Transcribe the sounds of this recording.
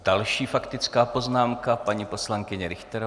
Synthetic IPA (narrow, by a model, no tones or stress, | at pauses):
d̥alʃiːfakt̪ɪt͡skaːpo̞znaːmkapaɲipo̞slaŋkɪɲɛɾɪxt̪ɛɾ